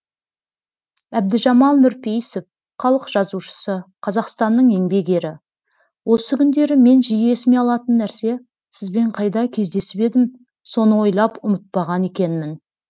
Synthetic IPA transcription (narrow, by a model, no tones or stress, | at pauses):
æb̚d̪ɪʒɑmɑlˠnʊɾpʰejsef | χɑlˠəqʒ̥ɑzuʃə̥səqʰɑzɑqst̪ɑnːəɴe̞ŋbe̞ɡʲe̞ɾɪ | wʔo̞səkʲʰʏnd̪e̞ɾɪme̞nʒijesmeɑlˠɑt̪ənːæɾse̞ | sɪzbe̞ɴqʰɑjd̪ɑkʲʰe̞zd̪e̞sɪpe̞d̪ɪm | so̞nəwo̞jlˠɑpʊmət̪̚pɑʁɑne̞kʲe̞nmɪn